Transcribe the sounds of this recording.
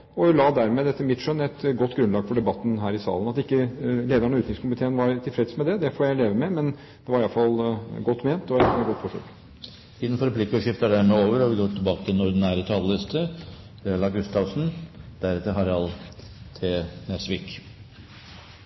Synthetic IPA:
ɔlɑːd̪æɾmɛːd̪ɛt̪ːəmɪt̪ʂœnːɛt̪ɡɔt̪ːɡɾʉnlɑːɡfɔɖɛbɑt̪ːn̩ɦæːɾɪsɑ̰ːlənɑt̪ɪkːəleːd̪əɳɔʉːt̪ɪŋskʊmɪt̪ʰeːənʋɑɾt̪ʰɪlfɾɛt̪smɛd̪ɛd̪ɛfoːjæɪleːʋəmɛmɛn | d̪̥ɛʋɑɾɪɑlfɑlɡɔt̪ːmeːnt̪ɔməɡɔt̪ːfɔʂø̰ːk | ɪnːən̩fɔɾpʰlɪkːəɔʂɪft̪ɑɖ̪æɾmɛoːʋəɾɑʋɪɡot̪ʰːɪlbɑːkət̪ɪɛnɔɾd̪ɪnæːɾət̪ʰɑləlɛst̪ʰə | ɛlɑɡʉst̪ɑʋsn̩d̪̥æɾɛt̪ːəɾɦɑɾɛɑlt̪ʰeːnɛsʋɪk

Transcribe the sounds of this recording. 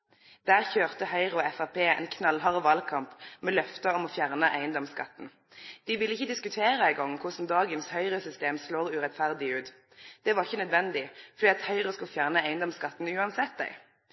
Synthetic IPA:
d̪̥æːʁçøːʁt̪əhœʏʁʊɛfɑpʰeːɛ̰ɪnkʰnɑlɦɑʁəʋɑlkʰɑmpmɛlœft̪ɑɔmɔfjæʁnəʔæɪənd̪ɔmskɑt̪ːn̩ | d̪̥ɪʋɪlːəɪçəd̪ɪskʉt̪ʰeːɾəæɪɡɔŋːkʰʊsn̩d̪ɑːɡənshœʏʁəsʏst̪eːmsloːʁʉʁɛt̪fæʁd̪ɪʉːt̪ | d̪̥ɛʋɑʁɪçənœd̪ʋɛnd̪ɪfɔd̪iːɑt̪hœʏʁʊskʉlfjæʁnəæɪənd̪ɔmskɑt̪ːn̩ʉːɑnsɛt̪̚d̪æ̰ɪ

